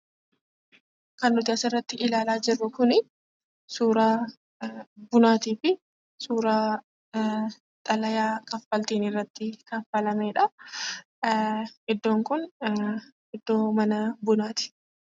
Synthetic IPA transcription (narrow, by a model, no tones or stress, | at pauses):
kɐnːʊt̪ɪɐsɪrːɐt̪ːɪʔɪlaːlaːd͡ʒɪrːʊkʊnɪ | suːɾaː | bʊnaːt̪iːfɪ | suːɾaː | t̪ʼɐlɐjaːkʼɐfːɐlt̪eːnɪrːɐt̪ːɪkɐfːɐlɐmeːᶑɐ | ʔɪd̪ːo̞ːŋkʊn | ɪd̪ːo̞ːmɐnɐbʊnaːt̪ɪ̥